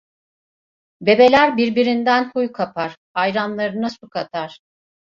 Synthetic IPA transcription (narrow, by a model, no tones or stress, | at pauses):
be̞be̞lʲæɾbiɾbiɾind̪ænhujkʰapʰaɾ̥ | ajɾanlˠaɾɯnasukʰat̪ʰaɾ̥